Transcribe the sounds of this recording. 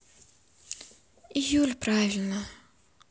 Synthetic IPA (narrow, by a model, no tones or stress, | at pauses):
ijulʲpɾavʲɪlʲnə